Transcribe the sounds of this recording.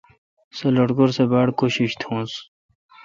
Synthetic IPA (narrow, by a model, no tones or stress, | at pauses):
seloʈɡoɾsebaɽkoɕiɕt̪ʰõːns